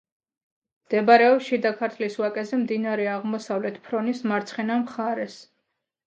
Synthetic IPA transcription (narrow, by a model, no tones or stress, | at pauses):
d̪̥ɛbaɾɛɔʃid̪akʰaɾt̪ʰliswakʼɛzɛmd̪inaɾɛaʁmɔsavlɛt̪ʰpʰɾɔnismaɾt̪sʰχɛnamχaɾɛs